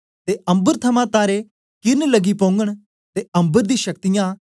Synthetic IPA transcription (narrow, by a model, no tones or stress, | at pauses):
t̪eɐ̃mbəɾt̪ʰɐmãt̪aːɾe | kɪnləɡipõːŋɡəɽ̃ | t̪eɐ̃mbəɾd̪ĩːʃək̚t̪ɪjãː